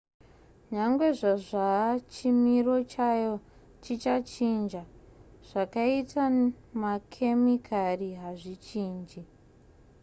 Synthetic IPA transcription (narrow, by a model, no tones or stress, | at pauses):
ɲaŋɡwe̞ʐaʐat͡ʃimiro̞t͡ʃajo̞ | t͡ʃit͡ʃat͡ʃind͡ʒaʐ̥akaita | makʰemikʰariɦaʐit͡ʃiːnd͡ʒi